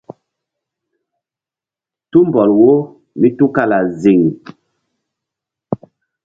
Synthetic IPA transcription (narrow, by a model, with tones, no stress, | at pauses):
tu˦m˨bɔ˨lwo˦ | mi˦tu˦ka˦la˨zi˨ŋ˨